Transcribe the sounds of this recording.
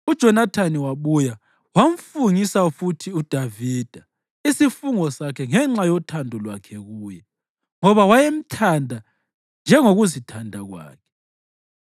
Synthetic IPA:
ud̥ʒ̥ʱɔnatʰaniwaβuja | wam̩fuŋisafutʰiud̥ʱavid̥ʱa | isifuŋɔsakʰɛŋɛŋ͡ǁajɔtʰandʱɔlwakʰɛɣuːjɛ | ŋɔβawajem̩tʰandʱa | nd͡ʒʱɛŋoɣuzitʰandʱaɣwa̰ːkʰɛ̥

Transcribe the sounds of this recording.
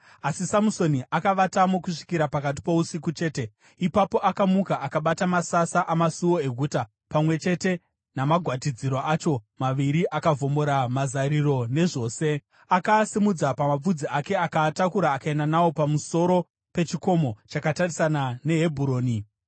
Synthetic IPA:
asisamuso̞niʔakaʋatamokuʂi̥kiɾapakat̬i̥po̞usikut͡ʃe̞ːte̞ | ipapo̞ʔakamukaʔakaɓatamasasaʔamasuwoe̞ɡʱuːta | pamwe̞t͡ʃe̞te̞ | namaɡʱwatid͡ziɾoʔat͡ʃo̞maʋiɾiʔakavʱo̞mo̞ɾamazaɾiro̞ne̞ʐo̞ːse̞ | akasimud͡zapamap͡fud͡ziake̞akatakuɾaːkaenanawo̞pamuso̞ɾo̞ | pe̞t͡ʃiko̞mo̞t͡ʃakatarisanane̞ɦe̞bʱuɾo̞ːni

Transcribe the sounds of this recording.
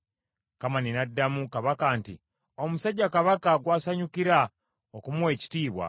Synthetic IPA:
kamaninadːamukaβakaːntḭ | omusaɟːakaβakaɡwaːsaɲukiɾa | okumuwe̞ːci̥tiːβwa̰

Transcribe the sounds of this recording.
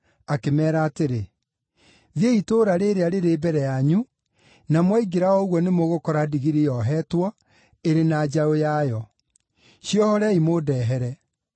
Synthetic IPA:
akemɛːɾaːteɾe | ðeitoːɾaɾeɾeaɾeɾeːbɛɾɛjaɲu | namwaiɡeɾaɔoɣwɔnemoɣokɔɾadiɣiɾejɔɦɛtwɔ | eɾenaːd͡ʑaojajɔ | ɕiɔhɔɾɛaimodɛːɦɛɾɛ

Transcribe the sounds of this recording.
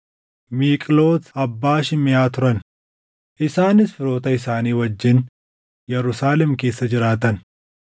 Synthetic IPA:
miːkʼlo̞ːt̪ɐbːaːʃɪmɪjaːt̪ʊɾɐn | ʔɪsaːnɪsfɪɾo̞ːt̪ɐɪsaːniːwɐd͡ʒːɪn | jɛɾʊsaːlɛmke̞ːsːɐd͡ʒɪɾaːt̪ɐn

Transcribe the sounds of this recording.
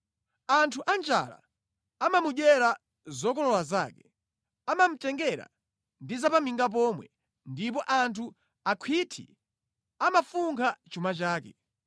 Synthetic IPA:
antʰuʔand͡ʒa̰la̰ | amamuɗwɛɾa | zɔkɔlɔwazaːkɛ | amam̩tɛŋɡɛɾa̰ | ndizapamiŋɡap̬ɔːmwɛ̰ | ndip̬ɔʔantʰu | akʰwitʰḭ | amafuŋkʰat͡ʃumat͡ʃaːkɛ

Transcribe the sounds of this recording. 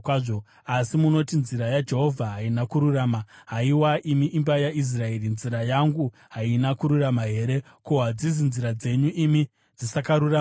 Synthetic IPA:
ʐo | asimuno̞tinziɾajad͡ʒe̞ɦo̞vʱaɦainakuɾuraːmaɦaiwaʔimiʔimbajais̬rae̞rinziɾajaŋɡu | ɦainakuɾuramaɦe̞ːɾe̞ | koɦad͡ziz̬inziɾad͡ze̞ɲuʔimi | d͡zisakaɾura

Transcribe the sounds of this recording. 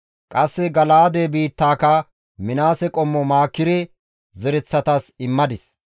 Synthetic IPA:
kʼɐsːɛɡɐlaːd̪eːbiːt̪ːaːkɐ | mɪnaːsɛkʼɔmːɔmaːkːɪɾɛ | zɛɾɛt͡sːɐt̪asɪmːɐd̪ɪs

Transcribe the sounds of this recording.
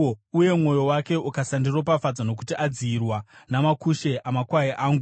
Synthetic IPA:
uje̞mŋo̞jo̞wake̞ʔukasandiro̞pafad͡zano̞k̬u̥tiʔad͡ziːrwanamakuʃe̞ʔamakwaiʔaːŋɡu

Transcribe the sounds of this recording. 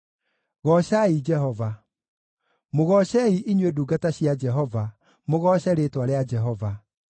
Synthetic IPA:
ɣɔɕaid͡ʒɛɦɔva | moɣɔɕɛiʔiɲweduːɡataɕjad͡ʒɛɦɔva | moɣɔɕɛɾetwaɾead͡ʒɛɦɔva

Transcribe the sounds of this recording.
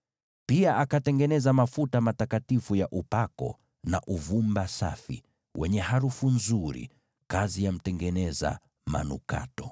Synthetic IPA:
piaʔakatɛŋɡɛnɛzamafutamatakatifujaʔupakɔ̰ | na̰ʔuvumbasa̰fḭ | wɛɲɛɦaɾufunzuɾḭ | kazijam̩tɛŋɡɛnɛza̰ | ma̰nṵka̰tɔ̥

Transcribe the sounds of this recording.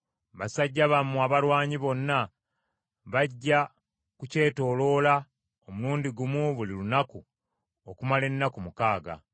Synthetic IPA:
βasaɟːaβamːuaβalwaːɲiβo̞nːa | βaɟːa | kuce̞ːto̞ːlo̞ːla | o̞muluːndiɡumuβulilunaku | okumale̞nːakumukaːɡa̰

